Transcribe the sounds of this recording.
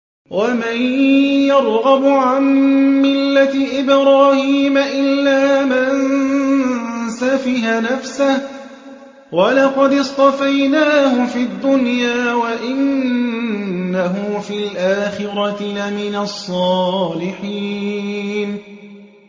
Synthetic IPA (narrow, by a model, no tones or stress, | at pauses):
wamanjjɑɾˤɣɑbʕanmɪlːat̪ɪʔɪbɾaːhiːmaʔɪlːaːman | safiːhanafsah | walɑqɑd̪ɪst̪ˤɑfajnaːhʊfiːad̪ːʊnjaːwaʔɪnnː | aɦʊfiːlʔaːxɪɾɑlamɪnasˤːɑːlɪħiː | n